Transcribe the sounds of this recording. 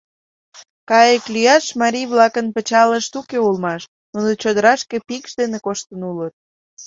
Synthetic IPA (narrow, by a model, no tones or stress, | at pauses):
kɑjəklyjɑʃmɑɾʲijβlɑkənpət͡ɕɑləʃt̪ukeulmɑʃ | nunot͡ɕod̪əɾɑʃkepikʃd̪enekoʃt̪ənulət̪̚